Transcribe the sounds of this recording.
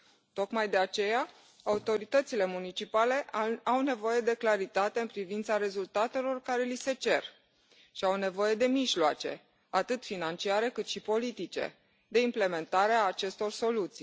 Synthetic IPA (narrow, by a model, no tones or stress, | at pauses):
t̪o̞kmajd̪e̞at͡ʃe̞ja | aut̪o̞ɾit̪ət̪sile̞munit͡ʃipale̞ʔawne̞vo̞je̞d̪e̞klaɾit̪at̪e̞ɨnpɾivint̪saɾe̞zult̪at̪e̞lo̞rkaɾe̞lise̞t͡ʃe̞r | ʃiawne̞vo̞je̞d̪e̞miʒloat͡ʃe̞̰ | at̪ɨt̪finant͡ʃiaɾe̞kɨt̪ʃipo̞lit̪it͡ʃe̞̰ | d̪e̞imple̞me̞nt̪aɾeaːt͡ʃe̞st̪o̞rso̞lut̪si